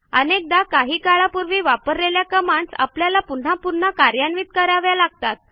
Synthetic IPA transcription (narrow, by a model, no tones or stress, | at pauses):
ənek̚d̪akaɦiːkaɭapuɾʋiːʋapəɾleljakəmaɳsa̰pljalapun̤ãpuɾɳ̤akaɾjanʋiːt̪̚kəɾjaʋjalaɡ̚t̪at̪̚